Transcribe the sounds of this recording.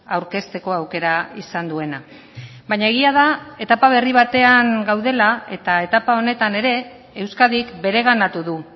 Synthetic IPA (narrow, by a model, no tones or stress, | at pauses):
awɾke̞st̪e̞ko̞awke̞ɾaisand̪ue̞na | bajɲae̞ɣ̞iað̞ae̞t̪apaβ̞e̞riβ̞at̪e̞aŋɡawð̞e̞lae̞t̪ae̞t̪apao̞ne̞t̪ane̞ɾe̞ː | wskaðikbe̞ɾe̞ɣ̞anat̪uðu